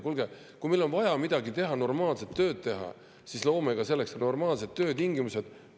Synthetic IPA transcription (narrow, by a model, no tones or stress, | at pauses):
kulɡ̥e | kumelːo̞nvɑjɑmid̪̥ɑɡit̪e̞ɦɑno̞rmɑːlse̞t̪ːø̞ːt̪̚t̪e̞ɦɑ̰ | sislo̞ːmeɡ̥ɑselːe̞kset̪no̞rmɑːlse̞t̪̚t̪ːø̞ːt̪iŋɡimuse̞d̪̥